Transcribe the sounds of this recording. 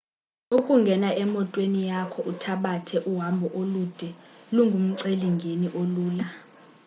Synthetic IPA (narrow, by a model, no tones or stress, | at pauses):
ukʼuŋɡʱɛnaʔɛmɔtʼwenijakʰɔʔutʰaɓatʰɛʔuɦambʱɔʔolud̥ʱɛluŋɡʱum̩ǀeliŋɡʱeniʔoluːla